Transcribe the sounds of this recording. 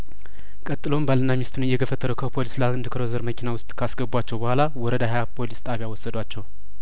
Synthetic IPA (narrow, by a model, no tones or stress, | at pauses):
kʼət̪ʼːɨlo̞mbalɨnːamist̪ʰunɨjːɛɡəfːət̪ʰʼːəɾəkʰəpʰo̞lislaɨnd̪ɨkʰəɾozəɾməkʰinawʊst̪ʼkʰasɡəbuat͡ʃːɛwbəhʷalawɔɾəd̪aɦajapʰo̞list̪ʼaβjawɔsːəd̪wat͡ʃːɛw